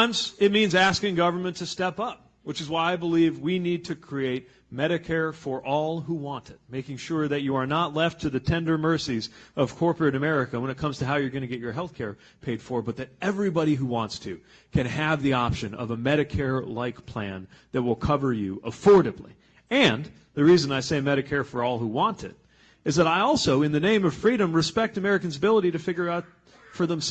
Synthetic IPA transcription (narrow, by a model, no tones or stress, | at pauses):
nsɨt̚mĩnzæskɪ̃ŋɡʌvə˞mɨ̃ntʰɨstɛpʌp̚ | wɨt͡ʃɨzwaɪaɪbəlivwinid̚tʰɨkʰɹ̥ieɪt̚ | mɛɾɨkʰɛɹfə˞ʔɔlˠɦuwɑ̃ntɨt̚meɪkɪ̃ŋʃʊɹðɨt͡ʃɨə˞nətˡlɛftʰɨðɨtʰɛ̃ndə˞mɜ˞sizʌv̥kʰɔɹpə˞ɨɾɨmɛɹɨkəwə̃ñɨt̚kʰʌ̃mz̥tʰɨɦaʊjə˞ɡʌñɨɡɛt͡ʃə˞ɦɛlˠθkʰɛɹ | pʰeɪd̥fə˞bʌt̪̚ðɨɾɛvɹibɑɾiɦuwɑ̃ntstʰʉ | kʰɨ̃nɨvðiɑpʃɨ̃nʌ̰vəmɛɾɨkʰɛɹlaɪkpʰl̥æ̃nðɨt̚wɪlˠkʰʌvə˞jʉʔəfɔɹɾɨblḭ | ɨ̃n | ðɨɹizɨ̃naɪseɪmɛɾɨkʰɛɹfə˞ɔlˠhuwɑ̃ntɨ̰ɾ | ɨzðɨɾaɪɔlˠsoʊɨ̃nðɨnẽɪ̃mʌv̥fɹiɾɨ̃mɹɨspɛk̚tɨmɛɹɨkɨ̃nzəbɪlˠəɾiɾɨfɪɡjə˞aʊt̚ | fə˞ðə̃ms